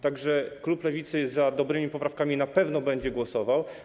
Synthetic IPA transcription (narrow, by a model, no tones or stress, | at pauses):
t̪aɡʐɛkluplɛvʲit̪sɘzad̪ɔbɾɘmʲipɔpɾafkamʲinapɛvnɔbɛɲd͡ʑɛɡwɔsɔvaw